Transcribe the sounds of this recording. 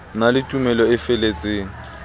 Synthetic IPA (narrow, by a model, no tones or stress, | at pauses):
nalɪtʼumɛlɔɪfɛlet͡sʼeːŋ̩